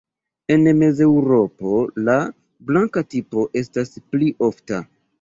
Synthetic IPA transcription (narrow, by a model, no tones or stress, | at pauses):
e̞nme̞ze̞wɾo̞po̞la | blaŋkatipo̞ʔe̞staspliʔo̞fta̰